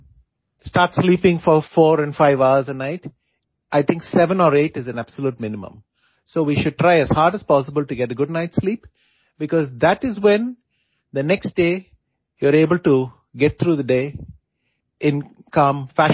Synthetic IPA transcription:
sʈaːɾʈsliːpɪ̃ŋfɔɾfɔːɾɛ̃nfaɪʋaʊəɾzənaɪʈ | ʔaɪt̪ʰɪ̃ŋksɛʋə̃nɔːɾeːʈɪzæ̃næb̥səluːʈ̚mɪ̃nɪmə̰̃m | soːʋiːʃʊɖ̚ʈɾaɪæz̥haːɾɖəz̥pɔːsəbəlʈuɡɛʈəɡʊɖ̚naɪʈsliːp | bɪkɔːzd̪æʈɪzwɛ̃n | d̪ənɛksʈ̚ɖeː | juəɾeːbəlʈu | ɡɛʈ̚t̪ʰɾuːd̪əɖeː | ʔɪ̃nkʌ̃mfæ

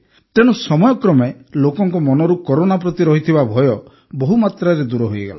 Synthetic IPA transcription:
t̪eñusɔmɔjɔkɾɔmelokɔŋkɔmɔnɔɾukɔɾonapɾɔt̪iɾɔɦit̪ʰibabʱɔjɔ | bɔɦumat̪ɾaɾed̪uɾɔɦujeɡa̰la

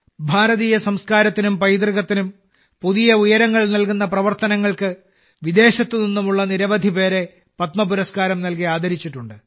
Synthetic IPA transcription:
bʱaːɾɐðiːjɐsɐmskaːɾɐt̪ːinumpɐjd̪riɣɐt̪ːinum | puðijɐujɐɾɐŋːɐɭnɐlkunːɐprɐʋɐrt̪ɐnɐŋːɐɭkɨ | ʋid̪e̞ːɕɐt̪ːɨninːumuɭːɐniɾɐʋɐd̪ʱipe̞ːɾe̞ | pɐt̪mɐpuɾɐskaːɾɐmnɐlk̬iaːd̪ʱɐɾit͡ɕːiʈːuɳɖɨ

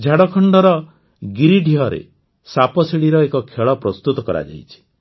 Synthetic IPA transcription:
d͡ʒʱaɽɔkʰɔɳɖɔɾɔ | ɡiɾiɖʱiɦɔɾḛ | sapɔsiɽiɾɔekɔkʰeɭɔpɾɔst̪ut̪ɔkɔɾa̰d͡ʒa̰jt͡ʃʰi̥

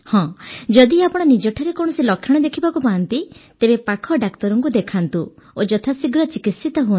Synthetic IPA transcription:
hɔ̃d͡ʒɔd̪iapɔɽ̃ɔnid͡ʒɔʈʰaɾekɔɽ̃ɔsilɔkʰjɔɽ̃ɔd̪ekʰibakupaant̪it̪ebepakʰɔɖakt̪ɔɾɔŋkud̪ekʰant̪uod͡ʒɔt̪ʰasiɡɾɔt͡ʃikisit̪ɔɦun

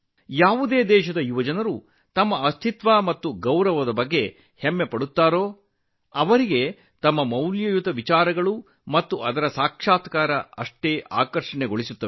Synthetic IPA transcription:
jaːʋud̪eːd̪ɛːʃɐd̪ɐjuʋɐd͡ʒɐnɐɾu | t̪ɐmːɐɐst̪ʰit̪ʋaːmɐt̪ːuɡɐwɾɐʋɐd̪ɐbɐɡːe̞ | hemːepɐɽut̪ːaːɾo̞ː | ɐʋɐɾiɡe̞ | t̪ɐmːɐmɐwljɐjut̪ɐʋit͡ʃaːɾɐɡɐɭu | mɐt̪ːuɐd̪ɐɾɐsaːkʂaːt̪kaːɾɐɐʂʈe̞ːʔa̰ːkɐɾʂɐɳeɡo̞ɭisut̪ːɐ

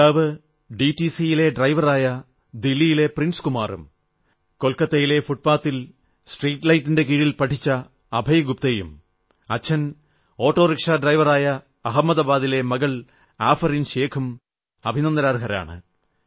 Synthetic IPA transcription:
aːʋɨ | ɖitisijile̞ɖrɐjʋɐraːjɐ | d̪ilːijile̞prinskumaːrṵm | ko̞lkɐt̪ːejile̞fuʈ̚paːt̪ːil | sʈriːʈlɐjtːinde̞k̬iːɻilpɐʈʰit͡ɕːɐ | ɐbʱɐjɡup̚t̪eːjṵm | ɐt͡ɕʰːɐn | o̞ːʈːo̞ːrikʂaːɖrɐjʋɐraːjɐ | ɐɦɐmːɐðɐbaːðile̞mɐɡɐɭ | aːfɐrinɕe̞ːkʰum | ɐbʱinɐnd̪ɐɾaːrɦɐɾa̰ːɳɨ̰

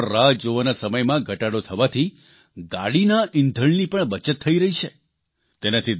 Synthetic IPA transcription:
ɾad͡ʒoʋanasəməjmãɡʱəʈaɽot̪ʰəʋat̪ʰi | ɡaɽinaʔɪnd̪ʱəɭnipəɳbət͡ʃət̪ʰːəiɾəɦit͡ʃʰe | t̪enat̪ʰid̪

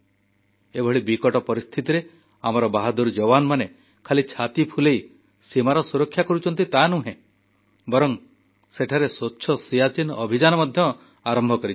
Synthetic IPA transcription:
ebʱɔɭibikɔʈɔpɔɾist̪ʰit̪iɾe | amɔɾɔbaɦad̪uɾd͡ʒɔwanɔmane | kʰalit͡ʃʰat̪ipʰulej | simaɾɔsuɾɔkʰːjakɔɾut͡ʃʰɔnt̪it̪anuɦẽ | bɔɾɔŋ | seʈʰaɾesotːʃʰɔsijat͡ʃinɔbʱid͡ʒanɔmɔd̪ʱjɔ | aɾɔmbʱɔkɔɾit͡ʃ

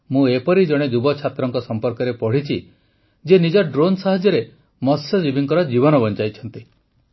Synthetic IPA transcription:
mũepɔɾid͡ʒɔɽ̃ed͡ʒ̪ubɔt͡ʃʰat̪ɾɔŋkɔsɔmpɔɾkɔɾepɔɽ̤it͡ʃʰi | d͡ʒenid͡ʒɔɖɾonsaɦɔd͡ʒjɔɾe | mɔsjɔd͡ʒibiŋkɔɾɔd͡ʒibɔnɔbɔnt͡ʃajt͡ʃʰɔnt̪i

